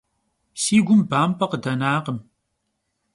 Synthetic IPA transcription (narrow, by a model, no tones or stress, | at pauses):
siːɡʷʊmbaːmpʰɐqədɐnaːqəm